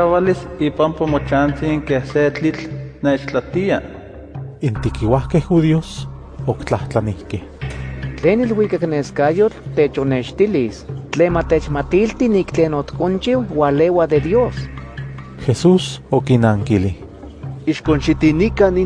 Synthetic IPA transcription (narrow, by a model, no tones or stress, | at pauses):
awalisiːpampomot͡ʃant͡siŋkehset͡ɬit͡ɬneːt͡ʃt͡ɬat̪ia | int̪ikiwahkehxuðios | okt͡ɬaht͡ɬanihkeht͡ɬeːnilwikakneːskajot͡ɬt̪ːeːt͡ʃoneʃt̪ilist͡ɬeːnmat̪et͡ʃmat̪ilt̪iniːkt͡ɬeːnot̪kont͡ʃiwwalewad̪ed̪joːs | xesuːsokinaːŋkilih | iʃkonʃit̪inikani